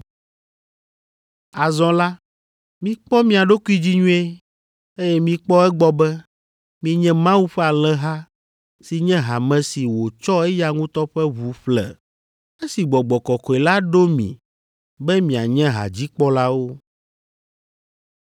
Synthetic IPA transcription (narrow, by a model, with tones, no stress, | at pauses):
a˨zɔ̃˦la˦ | mĩ˨k͡pɔ˦mĩ˦a˨ɖo˦ku˦i˦d͡ʑi˦ɲũ˦e˦ | e˦jɛ˦mĩ˦k͡pɔ˦ɛ˦ɡ͡bɔ˦bɛ˦ | mĩ˨˦ɲɛ̃˦mã˦wu˦ɸɛ˦a˨lɛ˦ɦa˦ | si˨ɲɛ̃˦ɦa˨mɛ̃˨si˨wo˨t͡ʃɔ˦ɛ˦ja˨ŋũ˦t̪ɔ˦ɸɛ˦βu˨ɸlɛ̰˨ | e˦si˨ɡ͡bɔ˨ɡ͡bɔ˨kɔ˨kɔ˨e˨la˦ɖo˦mḭ̃˨ | bɛ˦mĩ˨a˨ɲɛ̃˦ɦa̰˨d͡ʑi˦k͡pɔ˦la˦wo˦